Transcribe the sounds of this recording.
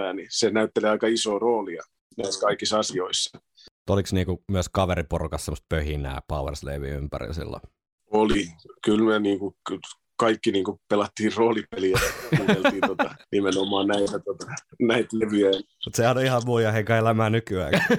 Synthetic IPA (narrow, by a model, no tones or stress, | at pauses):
æːnisenæyt̪ːeliɑikɑisoːroːliɑ̰ | næiskɑikisɑsioisːɑ̥ | mut̪oliksniːŋkumyəskɑʋeɾiporukɑssemːost̪̚pøhinæ̰ːpɑuwḛrslḛʋḭympæ̰rḭlsḭlːo̰ | olikylmyøniːŋkuk | kɑikːiniːŋkupelɑt̪ːiːrroːlipeliæɑkuːt̪eliːt̪ot̪ɑnimenomːˑɑːnnæit̪æt̪ot̪ɑ̥næit̪leʋyæn | mut̪sehænoihɑmuːjɑheŋkɑelæmæːnykyæ̰ːk